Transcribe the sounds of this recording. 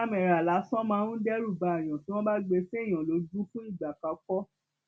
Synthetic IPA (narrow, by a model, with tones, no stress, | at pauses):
a˦mɛ̃˨ɾa˨la˨˦sɔ̃˦mãː˧nũ˦dɛ˦ɾu˦˨ba˨ɛ˨j̃ɔ̃˨ti˨˦w̃ɔ̃˦ba˦ɡ͡be˧fe˦˨j̃ã˨lo˨˧˦du˦fũ˦i˦˨ɡ͡ba˨ka˧kɔ˦